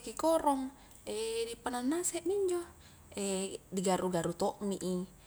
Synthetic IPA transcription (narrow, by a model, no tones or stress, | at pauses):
kikɔɾɔŋ | ɛdipananːasɛʔmiɲd͡ʒɔ | ɛdiɡaɾuɡaɾut̪ɔʔmiʔi